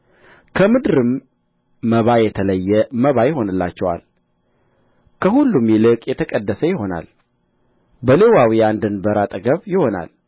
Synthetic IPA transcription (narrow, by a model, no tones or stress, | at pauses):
kʰəmɨd̪ɾɨmː | əβajɛt̪ʰələjːɛməβajɪɦo̞nɨlːa̰t͡ʃːɛwa̰l | kʰəhulːumjɪlɨkʼjɛt̪ʰəkʼəd̪ːəsəjɪho̞na̰l | bəle̞wawiand̪ɨnbəɾat̪ʼəɡəβjɪho̞na̰l